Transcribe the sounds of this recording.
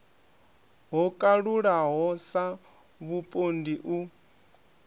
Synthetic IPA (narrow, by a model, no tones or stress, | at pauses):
ɦɔkʼaɺuɺaɦɔsa | βupʼondiʔu